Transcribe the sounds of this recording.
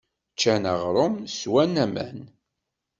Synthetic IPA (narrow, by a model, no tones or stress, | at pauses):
t͡ʃːænəʁɾˤomswænæmæ̰n